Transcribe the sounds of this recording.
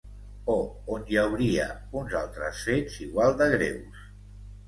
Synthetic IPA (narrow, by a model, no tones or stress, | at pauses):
o | onjəwɾiə̰ | unzalˠt̪ɾə̰sfeziɣwalˠd̪əɣ̞ɾḛws